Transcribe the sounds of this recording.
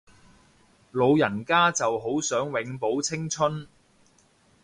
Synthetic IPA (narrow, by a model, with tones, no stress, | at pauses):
lo˨˧wjɐ˨˩nkaː˥t͡sɐ˨wɦo˨˥wsœː˨˥ŋwɪ˨˥ŋpo˨˥wt͡sʰɪ˥ŋt͡sʰɵ˥n